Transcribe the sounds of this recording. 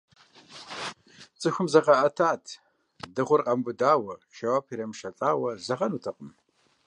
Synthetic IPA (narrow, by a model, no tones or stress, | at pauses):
t͡sʼɨxʷʊmzɐʁɐʔɐtʰaːtʰ | dɨʁʷʊrqʼɐmbʊdaːwɐʃɐwaːpʰiɾɐmʃɐt͡sʼaːwɐzɐʁɐnuːtʰɨqʼəm